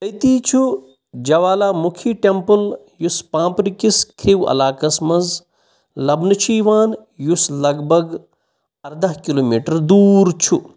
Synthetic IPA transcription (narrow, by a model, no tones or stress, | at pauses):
ɐjt̪iːt͡ʃʰu | d͡ʒɐʋaːlaːmukʰiːʈempəl | juspãːpɾikiskʰeːwɐ̰laːkɐsmɐz | lɐbnɨt͡ʃʰiːʋaːn | juslɐɡbʱɐɡ | ɐɾd̪ɐɦkiloːmiːʈɐɾd̪uːɾt͡ʃʰu